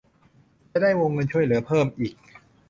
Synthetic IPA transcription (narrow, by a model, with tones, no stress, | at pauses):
t͡ɕa˧˩daː˥˩jwoː˧ŋːɤ˧nt͡ɕʰu˥˩əjlɯ˩˦ɐpʰɤː˥˩mʔiː˨˩k̚